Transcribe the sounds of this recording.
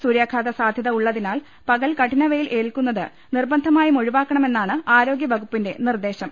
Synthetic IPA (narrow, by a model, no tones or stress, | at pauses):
suːɾjaːkʰaːd̪ɐsaːd̪ʱjɐðɐuɭːɐðinaːl | pɐɣɐlkɐʈʰinɐʋɐjilʔe̞ːɭkun̪ːɐðɨ | nirbɐnd̪ʱɐmaːjimo̞ɻiʋaːkːɐɳɐme̞nːaːɳɨaːɾo̞ːɡjɐbɐɣupːinde̞̰nird̪e̞ːɕɐm